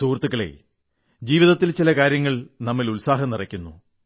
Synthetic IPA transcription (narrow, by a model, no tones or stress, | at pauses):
suːrt̪ːuɣɐɭḛ | d͡ʑiːʋiðɐt̪ːilt͡ɕilɐkaːɾjɐŋːɐɭnɐmːilulsaːɦɐnirɐkʲːunːṵ